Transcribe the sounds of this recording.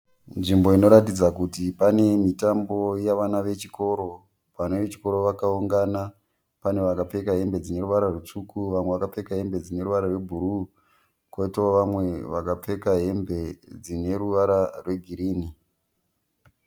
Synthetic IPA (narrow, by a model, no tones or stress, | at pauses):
nʐimbo̞ino̞ɾatid͡zakutipane̞mitambo̞jaʋanaʋe̞t͡ʃiko̞ɾo̞ | paneʋet͡ʃi̥ko̞ɾo̞ʋakauŋɡana | pane̞ʋakap͡fe̞kaɦe̞mbe̞d͡zine̞ɾuʋaɾarut͡sukuʋamwe̞ʋakap͡fe̞kaɦe̞mbe̞d͡zine̞ɾuʋaɾarwe̞bʱuɾu | kwoitooʋamwe̞ʋakap͡fe̞kaɦe̞mbe̞d͡zine̞ɾuʋaɾarwe̞ɡʱiɾiːni